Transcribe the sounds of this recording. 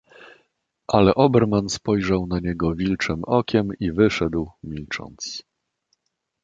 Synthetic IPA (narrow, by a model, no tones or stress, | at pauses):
ʔalɛʔɔbɛɾmanspɔjʐawnaɲɛɡɔvʲilt͡ʂɘmɔkʲʰɛmivɘʂɛd̪wmʲilt͡ʂɔ̰nt̪s